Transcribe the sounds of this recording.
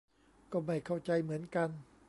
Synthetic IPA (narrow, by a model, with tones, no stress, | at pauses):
kɔː˥˩ma˥˩jkʰa˥˩wt͡ɕa˧jmɯ˩˦ənka˧n